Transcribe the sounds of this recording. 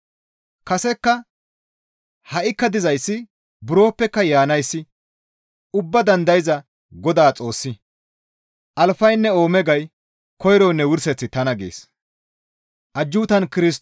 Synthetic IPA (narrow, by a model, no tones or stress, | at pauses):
kɐsɛkːɐ | hɐʔɪkːɐd̪ɪzɐjsːɪ | bʊɾo̞ːpːɛkːɐjaːnɐjsːɪ | ʊbːɐd̪ɐnd̪ɐjɪzɐ | ɡɔd̪aːt͡sʼo̞ːsːɪ | ʔɐlfɐjnːɛo̞ːmɛɡɐj | kɔjɾɔːnːɛwʊɾsɛt͡sːɪt̪ɐnɐɡḛːs | ʔɐd͡ʒːuːt̪ɐnkɪɾɪs